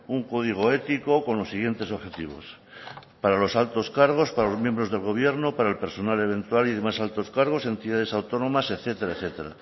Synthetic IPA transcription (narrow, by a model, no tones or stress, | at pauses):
uŋko̞ð̞iɣ̞o̞e̞t̪iko̞ko̞nlo̞sːiɣje̞nt̪e̞so̞βxe̞t̪iβ̞o̞̰s | paɾalo̞salt̪o̞skaɾɣ̞o̞spaɾalo̞zmjembɾo̞zðe̞lɣo̞β̞je̞ɾno̞paɾaelpe̞ɾso̞nale̞βẽ̞nt̪waliðemasalt̪o̞skaɾɣ̞o̞sent̪iðað̞e̞sawt̪o̞no̞maseθe̞t̪eɾaeθe̞t̪eɾa̰